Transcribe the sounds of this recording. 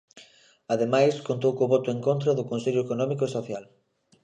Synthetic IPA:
aðemajskont̪owkoβɔt̪ʊeŋkõnt̪ɾɐðʊkõnseʎʊekonɔ̃mikoesoθjal

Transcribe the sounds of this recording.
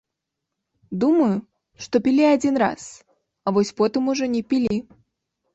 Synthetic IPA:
d̪umɐju | ʂt̪ɔpʲilʲiad͡zʲinra̰s | avɔsʲpɔt̪ɨmuʐɔnʲɛpʲilʲi

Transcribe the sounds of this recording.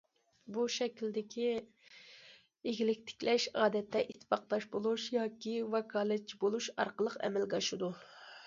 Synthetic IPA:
buʃɛkʲild̪ɪkʲʰi | eɡʲilɪk̚ʲt̪ʰɪ̥kʲlɛʃɑːd̪ɛt̪ʰːɛʔit̪ʰːɪ̥fɑqlˠɑʃbolˠuʃjɑːkʲivɑkʰɑːlˠɨt͡ʃʰibolˠuʃɑ̰ɾqəlˠəqɛ̰mɛlɡɑʃud̪u

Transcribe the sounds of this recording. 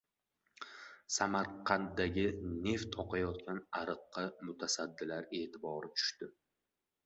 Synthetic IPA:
samaɾqʰɑnt̪d̪aɡʲɪne̞ft̪ʰɒqʰɑjɒt̪kʲanaɾɨqːɑmʊt̪ʰasad̪ːɪlaɾe̞ːt̪ʰɪbɒɾɪt͡ʃ̪ʰʊ̥ʃt̪ɪ

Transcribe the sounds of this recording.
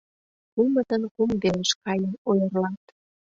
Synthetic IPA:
kumət̪ənkumd̪eləʃkɑjənojərlɑt̪

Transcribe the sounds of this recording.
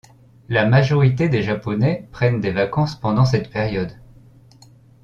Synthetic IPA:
lamaʒɔʁit̪ed̪eʒapɔnɛpχɛnd̪evakɑ̃spɑ̃d̪ɑ̃s̬ɛt̪pɛʁjɔd̪

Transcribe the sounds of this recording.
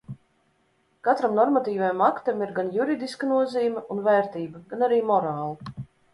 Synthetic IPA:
kat̪ɾamnɔɾmat̪iːvajamakt̪amiɾɡanjuɾid̪iskɐnuɔziːmʲɛunvɛːɾt̪iːbɐɡanaɾiːmɔɾaːlˠɐ

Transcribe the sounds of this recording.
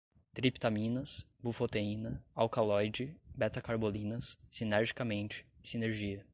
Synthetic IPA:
t̪ɾipt̪amĩnɐs | bufot̪eĩnɐawkalɔjd͡ʒɪbɛt̪ɐkaɾbolĩnɐsːinɛɾʒikɐmẽnt͡ʃɪ̥sineɾʒiɐ

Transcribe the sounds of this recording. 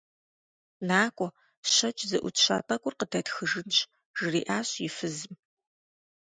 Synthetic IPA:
naːkʷʼɔ | ɕɐt͡ʃʼzɨʔʷʊ̰tɕa̰ːpʰɐkʷʼʊrqədʰɐtxɨʒɨnɕ | ʒ̥ɨriːʔaːɕjɪfɨzɨm

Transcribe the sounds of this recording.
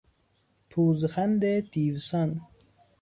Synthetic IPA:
pʰuzxand̪et̪iːvsɐn

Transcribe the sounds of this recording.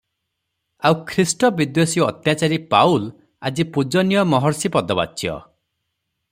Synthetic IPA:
awkʰɾisʈɔbid̪josiɔt̪jat͡ʃaɾipaul | a̰d͡ʒipud͡ʒɔnijɔmɔɦɔɾsipɔd̪ɔba̰t͡ʃʰijɔ̰

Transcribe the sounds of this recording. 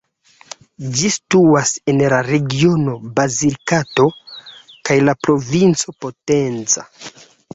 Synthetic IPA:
d͡ʒistuase̞nlaɾe̞ɡio̞no̞baziɾkato̞ | kajlapɾo̞vint͡so̞po̞tent͡sa̰

